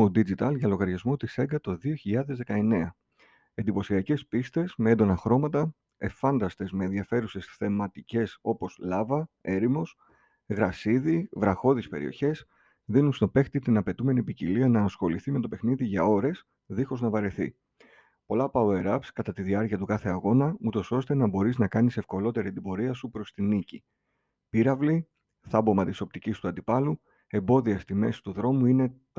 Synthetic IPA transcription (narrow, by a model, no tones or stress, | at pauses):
od̪id͡ʒit̪ɐlʝɐlo̞ɣɐɾʝɐzmot̪ise̞ɡɐt̪o̞ðio̞çiʎɐðe̞zðe̞kɐe̞ne̞ɐ | e̞nd̪ipo̞siɐce̞spist̪e̞sme̞end̪o̞nɐxɾo̞mɐt̪ɐ | e̞fɐnd̪ɐst̪e̞zmeːnðiɐfe̞ɾuse̞sθe̞mɐt̪ice̞so̞po̞slɐvɐe̞ɾimo̞s | ɣɾɐsiðivɾɐxo̞ðispe̞̰ɾḭo̞̰çe̞s | ðinunst̪o̞pe̞xt̪it̪inɐpe̞t̪ume̞nipiciliɐnɐːsxo̞liθime̞t̪o̞pe̞xniðiʝɐo̞ɾe̞s | ðixo̞znɐvɐɾe̞θḭ | po̞lɐpɐoe̞ɾɐpskɐt̪ɐt̪iðiɐɾciɐt̪ukɐθe̞ɐɣo̞nɐut̪o̞so̞st̪e̞nɐbo̞ɾiznɐkɐnise̞fko̞lo̞t̪e̞ɾit̪ibo̞ɾiɐsupɾo̞st̪inici | piɾɐvli | θɐbo̞mɐt̪iso̞pt̪icist̪uɐnd̪ipɐlu | e̞mbo̞ðiɐst̪ime̞si̥t̪uðɾo̞muine̞t̪